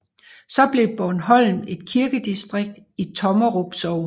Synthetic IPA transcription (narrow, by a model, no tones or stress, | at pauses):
sɒ̽b̥le̝b̥ɒnɦɒ̽l̰n̩e̝d̥̚kʰiɐɡ̥əd̥isd̥ʁeɡ̥̚d̥ | it͡sʰɒ̽mɐʁob̥sɒʊ